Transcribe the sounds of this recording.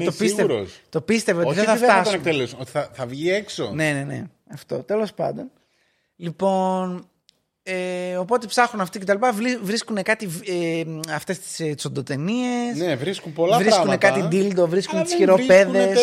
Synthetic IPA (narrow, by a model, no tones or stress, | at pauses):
t̪opisɣt̪eɾost̪o̞pist̪eveooiðeθɐft̪ɐst̪oekt̪elesnot̪i̥θɐθɐvʝiekso̰ne̞nene̞̰ | ɐft̪o̞̰t̪e̞lo̞spɐ̰nd̪o̞n | lipo̞n | eo̞po̞t̪e̞psɐxunɐft̪ice̞t̪ɐlipɐvivɾiskune̞kɐt̪iveɐft̪e̞st̪i̥sisond̪ot̪e̞nie̞e̞snevɾiskunpolɐvɾisunekɐt̪id̪ild̪o̞vɾiskunet̪i̥sçiɾope̞ðes